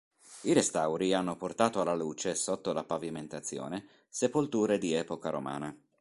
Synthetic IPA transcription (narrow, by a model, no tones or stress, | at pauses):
iɾest̪awɾianːoport̪aːt̪oalːaluːt͡ʃesot̪ːolapaviment̪at̪sːjo̰ːne | sepolt̪uːɾed̪iɛːpokaɾo̰ma̰ːna